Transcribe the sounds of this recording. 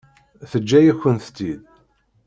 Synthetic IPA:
θəd͡ʒːæjæçːənθt̪ːid̪

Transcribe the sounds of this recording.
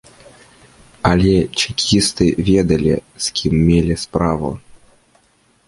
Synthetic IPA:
ɐlʲɛt͡ɕikʲʰist̪ɨvʲɛd̪ɐlʲḭskʲʰimːʲelʲispɾavṵ

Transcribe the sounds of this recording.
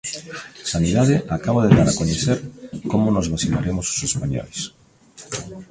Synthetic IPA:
saniðaðeʔakaβ̞oðeðaɾakoɲeθeɾkomonozβasinaɾemoso̥sespaɲo̰js

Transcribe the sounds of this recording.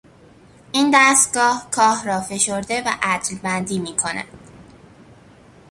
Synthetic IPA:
ʔiːnd̪æːst̪̚ɡɒːhkʰɒːhrɒːfe̞ʃo̞ɾd̪e̞væ̰ʔæt̪lbænd̪iːmiːkʰo̞næ̰d̪̥

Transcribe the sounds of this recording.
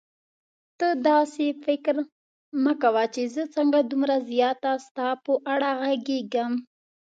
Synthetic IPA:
t̪əd̪ɑsefɪkɾ | nəkawat͡ʃezət͡səŋɡad̪umɾazjɑt̪ast̪ɑpəʔaɽaɣaɡeɡam

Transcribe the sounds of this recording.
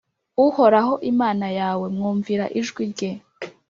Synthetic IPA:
uho̞ɾaɦo̞ʔimaːnajaːwe̞mŋuːɱviɾaʔiʒɡwiɟe

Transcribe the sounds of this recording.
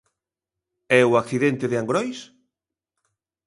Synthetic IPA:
ɛuakθiðent̪eðɪaŋɡɾɔjs

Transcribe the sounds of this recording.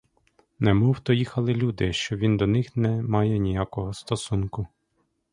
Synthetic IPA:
nɛmɔwt̪ɔjixɐlˠɪlʲud̪ɪʃt͡ʃɔʋʲind̪ɔnɪxnɛmɑjɛnʲijakɔɦɔst̪ɔsunkʊ

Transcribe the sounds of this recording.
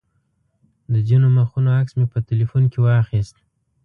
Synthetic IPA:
d̪əzinoməxunoaksmepətelifunkewɑxist̪̚

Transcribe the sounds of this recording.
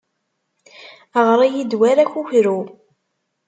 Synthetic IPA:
əʁɾˤijid̪wæɾæçuçɾu

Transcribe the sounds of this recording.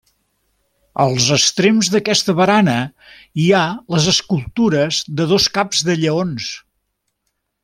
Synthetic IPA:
əlˠzəst̪ɾemzðəkɛst̪əβəɾanə | ialəzəskulˠt̪uɾəzðəðoskabzðəʎəons

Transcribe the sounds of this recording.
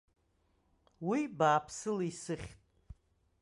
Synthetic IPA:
wibaːpʰsɨlisɨχʲtʼ

